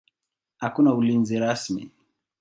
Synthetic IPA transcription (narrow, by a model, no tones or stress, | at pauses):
hakunaulinziɾasmḭ